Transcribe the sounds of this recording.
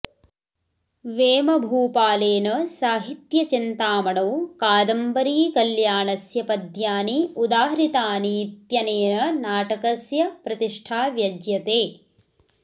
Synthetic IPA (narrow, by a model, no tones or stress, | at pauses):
ʋeːmɐbʱuːpaːleːnɐsaːɦit̪jɐt͡ʃint̪aːmɐɽɐwkaːd̪ɐmbɐɾiːkɐljaːɳɐsjɐpɐd̪ʱjaːniud̪aːɦɐɾit̪aːnit̪jɐneːnɐnaːʈɐkɐsjɐpɾɐt̪iʂʈʰaːʋjɐd͡ʒjɐt̪eː